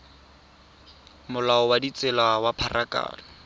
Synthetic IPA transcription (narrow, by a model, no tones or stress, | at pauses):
mʊlaɔwadit͡sɪlawapʰaraka̰ːlɔ